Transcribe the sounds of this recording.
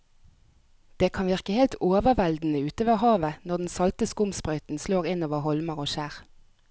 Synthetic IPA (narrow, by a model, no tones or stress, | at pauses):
d̪̥eːkʰɑnʋɪʁkəheːlt̪ʰoːʋəʋɛld̪n̩əʉːt̪əːʋəhɑːʋənɔʁd̪n̩sɑlt̪əskʊmspʁœʏt̪n̩sloːʁɪnoːʋəhɔlməʁoːʃæːʁ